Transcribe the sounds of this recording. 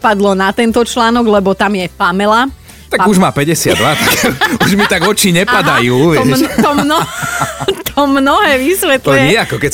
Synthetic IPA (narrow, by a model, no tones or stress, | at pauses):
pad̪lɔnat̪ɛnt̪ɔt͡ʃlaːnɔɡlɛbɔt̪amjɛpamɛla | t̪aɡuʒmaːpɛɟɛsɪad̪ːʋat̪akuʒmit̪aɡɔt͡ʃiɲɛpad̪ajuːʋɛt̪ɔmnɔ | t̪ʰɔmnɔɦɛːʋisʋɛt̪luɛɲɪɛakɔkɛ